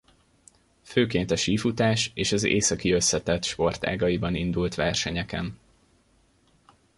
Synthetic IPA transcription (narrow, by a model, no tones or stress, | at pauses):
føːkeːn̪t̪ɒʃiːfut̪aːʃeːʃɒzḛːsɒkiø̞sːɛt̪ɛt̪ʃpo̞rt̪a̰ːɡɒjibɒnind̪ult̪ʋɛrʃɛɲɛkɛn